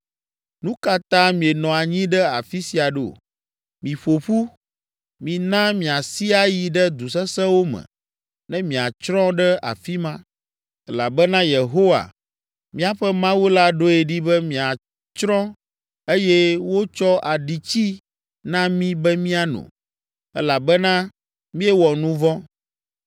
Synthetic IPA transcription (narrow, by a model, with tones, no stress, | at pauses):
nũ˦ka˦t̪ã˦mĩ˨e˨nɔ̃˨a˨ɲĩ˦ɖɛ˦a̰˨fi˦si˨a˨ɖe˦o̰˨ | mĩ˨ɸo˨ɸu˦ | mĩ˨nã˦mĩ˨a˨si˦a˦ji˨ɖɛ˦d̪u˨s̬ɛ˦sɛ̃˦wo˦mɛ̰̃˨ | nɛ̃˦mĩ˨a˨t͡ʃɾɔ̃˦ɖɛ˦ʔa̰˨fi˦mã˦ | ɛ˦la˨bɛ˦nã˦je˨ɦo˦wa̰˨ | mĩ˦a˨ɸɛ˦mã˦wu˦la˦ɖo˦e˨ɖi˦bɛ˦mĩ˨a˨ | t͡ʃɾɔ̃˦ | e˦jɛ˦wo˦t͡ʃɔ˦ʔa˨ɖi˨t͡ɕi˦ | nã˦mĩ˦bɛ˦mĩ˦a˦nṵ̃˨ | ɛ̰˦la˨bɛ˦nã˦ | mĩ˦ɛ˦wɔ˨nũ˦vɔ̃˦